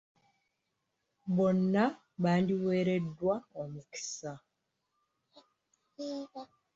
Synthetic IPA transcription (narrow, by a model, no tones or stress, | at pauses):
βo̞nːa | βaːndiweːɾe̞dːwaomuki̥sa